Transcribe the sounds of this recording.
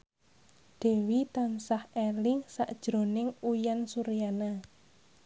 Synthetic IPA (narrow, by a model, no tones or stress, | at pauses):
d̪̥e̤wit̪amsahelɪŋsaʔd̥ʒ̥ɾo̤nɪŋujansuɾijana